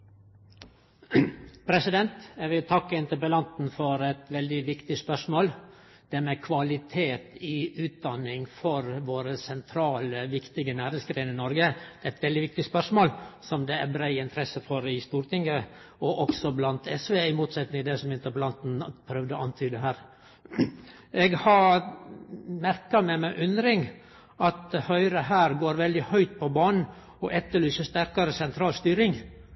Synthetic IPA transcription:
pʰɾɛsɪd̪ɛnt̪jæɪʋɪlt̪ʰɑkːəɪnt̪əpəlɑnt̪n̩fɔɾɛt̪ʋɛld̪ɪʋɪkt̪ɪspœʂmoːl | d̪̥ɛɾmɛkʰʋɑlɪt̪ʰeːt̪ɪʉːt̪̚d̪ɑnɪŋfɔɾʋoːɾəsɛnt̪ʰɾɑːləʋɪkt̪ɪɡənæːɾɪŋsɡɾeɪnɪnɔɾɡəd̪ɛɛt̪ʋɛld̪ɪʋɪk̚t̪ɪspœʂmoːlsɔmd̪ɛæ̰bɾæɪɪnt̪ʰɾɛsəfɔɾɪst̪uːɾʈ̪ɪŋːə | ɔʔɔksɔblɑnt̪ɛsʋeːɪmuːt̪sɛt̪nɪŋd̪ɛsɔmɪnt̪ɑplɑnt̪n̩pʰɾœʋd̪əɑnt̪ʰyːd̪əɦæːɾ | ʔɛɡhɑɾ | mæɾkɑmɛmæʔʉnd̪ɾɪŋ | ʔɑt̪̚hœʏɾəɦæːɾɡoːɾʋɛld̪ɪhœʏt̪̚pʰɔbɑːnn̩ | ɔʔɛt̪ːəɭyːsəʂt̪æɾkɑɾəsɛnt̪ʰɾɑːlst̪yːɾɪŋ

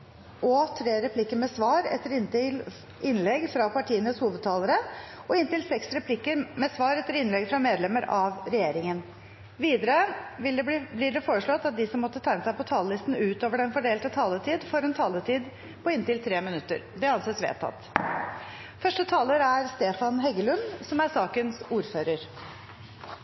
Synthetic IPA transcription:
ɔt̪ʰɾeːɾɛpʰlɪkːəɾmɛsʋɑːɾɛ̰t̪ːəɾɪnt̪ɪl | ɪnlɛɡfɾɑpɑʈʰiːənəshuːʋəd̪̚t̪ʰɑːləɾəʔɔɪnt̪ɪlsɛksɾɛpʰlɪkːəɾmɛsʋɑːɾɛt̪ːəɾɪnlɛɡfɾɑmeːd̪lɛməɾɑʋɾɛjeːɾɪŋən | ʋiːd̪əɾəʋɪblɪɖɛfoːɾəʂɭɔt̪ːɑt̪̚d̪ɪsɔmːɔt̪ːət̪ʰæɪnəsæɪpɔt̪ʰɑːləlɪst̪n̩ʉːt̪oːʋəɖɛnfɔɖeːlt̪ət̪ʰɑːlət̪ʰiːd̪fɔɾɛnt̪ʰɑːlət̪ʰiːd̪ | pʰɔɪnt̪ɪlt̪ʰɾeːmɪnʉt̪ːə̰ɾd̪ɛɑnseːt̪sʋḛːt̪ʰːɑ̰t̪ː | fœʂʈət̪ʰɑːləɾæɾst̪eːfɑnɦɛɡəlʉnsɔmæɾsɑːkənsuːɾføːɾəɾ

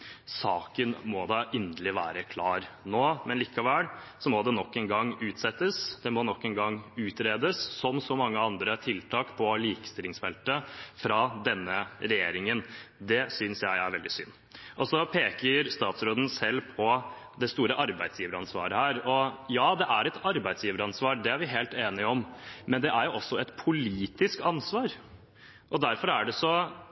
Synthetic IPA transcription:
sɑːkənmɔd̪ɑʔɪnd̪əlɪʋæːɾəkʰlɑːɾnoːmɛnliːkɑʋæːl | sɔmɔd̪ɛnɔkːɛnɡɑŋːʉːt̪sɛt̪ːəsd̪̥ɛmɔnɔkːɛnɡɑŋʉːt̪ɾeːd̪əsːɔmsɔmɑŋːəɑnd̪ɾət̪ʰɪlt̪ʰɑːkpʰɔliːkə̥st̪ɪlɪŋsfɛlt̪əfɾɑd̪ɛnːəɾɛjeːɾɪŋənd̪ɛsʏnsjæɪæɾʋɛld̪ɪsʏ̰nː | ʔɔsɔpʰeːkəɾst̪ɑːt̪sɾoːd̪n̩sɛlːpʰɔd̪ɛst̪uːɾəʔɑɾbæɪd̪sjiːʋəɾɑnsʋɑ̰ːɾəhæːɾɔjɑːd̪ɛʔæɾɛt̪ɑɾbæɪd̪sjiːʋəɾɑnsʋɑːɾɖ̪ɛæɾʋɪɦeːlt̪eːnɪɔmmɛnd̪ɛʔæɾjʊʔɔsːɔɛt̪pʰʊliːt̪ɪskɑnsʋɑːɾ | ʔɔd̪æɾfɔɾæɖɛsɔ

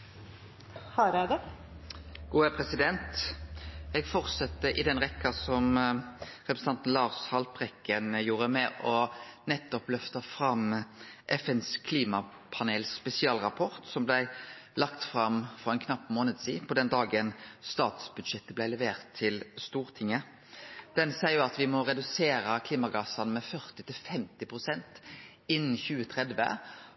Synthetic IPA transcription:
hɑɾæd̪ɛ | ɡ̥uːæpʰʁɛsɪd̪ɛnt̪ | ɛɡfɔʁt̪sɛt̪ːəʔɪd̪ɛnʁɛkːɑsɔm | ʁɛpɾəs̩ɑnt̪n̩lɑːʁshɑlpʁɛkːənjuːɾəmɛʔɔnɛt̪ːɔplœft̪ɑfʁɑmʔɛfɛnskʰliːmɑ | pʰɑneːlspɛsɪɑːlʁɑpʰɔʁt̪sɔmblæɪlɑkt̪fʁɑmfɔʁɛnkʰnɑpːmoːnəd̪siːpʰɔd̪ɛnd̪ɑːɡənst̪ɑːt̪sbʉd̪ʃɛt̪ːəblæɪlɛʋeːʁt̪ʰːɪlst̪uːʁt̪ʰɪŋːə | d̪̥ɛnsæɪʊɑt̪ʋɪmɔʁɛd̪ʉseːɾəkʰliːmɑɡɑːsɑnmɛfœʁt̪ɪt̪ʰɪlfɛmt̪ɪpʰʁʊsɛnt̪ | ɪnːn̩çʉːət̪ʰʁɛd̪ʋə̰

